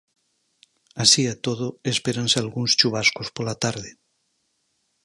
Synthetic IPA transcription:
asiat̪oðoespeɾansealɣuŋst͡ʃuβ̞askospolat̪aɾðe

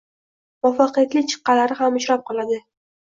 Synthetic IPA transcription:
mɒfaqɨjat̪lɪkʲt͡ʃʰɨ̥qːɑlaɾɪɦamʊʃɾap̚qʰɒlˠad̪ɪ

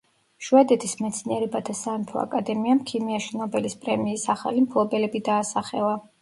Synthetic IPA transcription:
ʃuɛd̪ɛt̪ʰismɛt̪sʰniɛɾɛbat̪ʰasant̪ʰɔ̰a̰kʼad̪ɛmiamkʰimiaʃinɔbɛlispʼɾɛmiːsaχa̰limpʰlˠɔbɛlɛbid̪aːsaχɛ̰lˠa

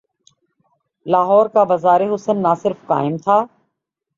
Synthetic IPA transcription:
laːɦɔːɾkabɐzaːɾeɦʊsənːaːsɪɾfqa̰ːɪmt̪ʰaː

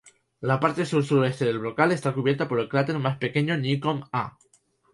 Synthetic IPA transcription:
lapaɾt̪e̞suɾsuɾe̞st̪e̞ðe̞lβlo̞kale̞st̪akuβjeɾt̪apo̞ɾe̞lkɾlat̪e̞ɾmaspe̞ke̞ɲonikoma

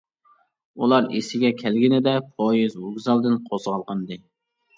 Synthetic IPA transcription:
ulˠɑɾesɪɡʲɛkʲʰɛlɡʲinɪd̪ɛpʰojizuɡʲzɑlˠd̪ɨnqʰozʁɑlˠqʰənd̪ɨ

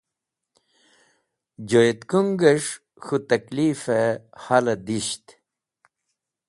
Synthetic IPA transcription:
d͡ʑojet̪kuŋɡəʂ | xut̪ɐklifehalɐd̪iɕt̪

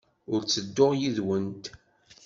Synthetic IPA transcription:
ʊɾt͡sːəd̪ːʊʁjiðwənt̪

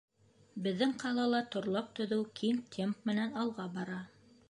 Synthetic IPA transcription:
bɘ̆ðːɘŋqʰɑlˠɑlˠɑt̪ŏɾlˠɑp̚t̪ŏðɘwkʰiŋt̪ʲʰemp̚mɘ̆nænɑlˠʁɑbɑɾɑ

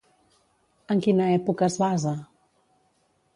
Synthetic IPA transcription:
əŋkinəɛpukəːzβazə

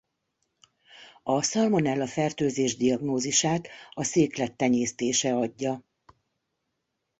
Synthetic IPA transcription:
ɒsɒlmo̞nɛlːɒfɛrt̪øːzeːʒd̪iɒɡnoːziʃaːt̪ɒseːklɛt̪ːɛɲeːst̪eːʃɛɒɟːɒ

